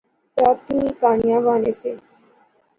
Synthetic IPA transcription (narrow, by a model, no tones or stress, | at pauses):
taːt̪ĩikaːnɪjãːʋaːneːseː